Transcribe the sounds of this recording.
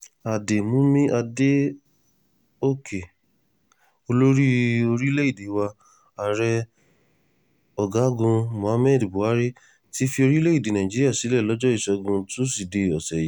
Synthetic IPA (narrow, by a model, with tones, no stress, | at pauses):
a˨de˨mũ˨˦mĩ˦ʔa˧de˦ | o˦˨kʰe˨ | o˧lo˦ɾi˦o˧ɾi˦le˦i˦˨de˨˦wa˧ | a˨ɾɛ˧ | ɔ˨ɡa˨˦˨ɡũ˧mõ˨a˨˧˦mɛ˦˨di˨bu˨a˨˦ɾe˦ | ti˦fi˧o˧ɾi˦le˦i˦˨de˨nã˨ĩ˨d͡ʒi˦ɾi˦a˦˨si˨˦lɛ˦˨lɔ˨˦d͡ʒɔ˦i˦˨sɔ˧ɡũ˧tũ˦si˨de˨ɔ˨sɛ˨ji˨˦